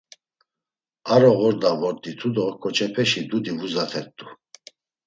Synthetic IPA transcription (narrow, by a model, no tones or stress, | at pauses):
aɾɔɣɔɾd̪avɔɾd̪it̪ʰud̪ɔkʰɔt͡ʃʰɛpʰɛʃid̪ud̪ivuzat̪ʰɛt̪ʼːu